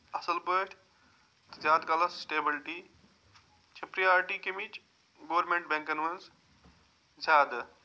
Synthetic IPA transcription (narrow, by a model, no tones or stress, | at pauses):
ɐsɐlbəʈʰ | t̪ɐzʲaːd̪kalɐssʈeːbɪlʈi | t͡ʃʰɐpɾiaːɾʈikemit͡ʃ | ɡoːʋɾmẽɳʈ̚bẽŋkɐnʋɐns | zʲaːd̪